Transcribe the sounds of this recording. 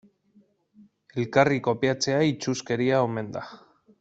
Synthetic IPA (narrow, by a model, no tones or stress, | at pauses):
e̞lkariko̞piat͡se̞ait͡ʃuske̞ɾiaome̞nd̪a